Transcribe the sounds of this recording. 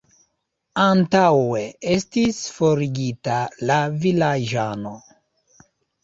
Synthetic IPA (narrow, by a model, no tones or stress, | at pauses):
antaweestisfo̞ɾiɡitalavilad͡ʒano